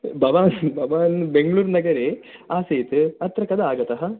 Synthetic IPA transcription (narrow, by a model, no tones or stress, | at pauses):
bʱɐʋaːnbʱɐʋaːnbeŋɡɭuːɾnɐɡɐɾeːaːseːt̪ɨɐt̪ɾɐkɐd̪ɐaːɡɐt̪ɐɦɐ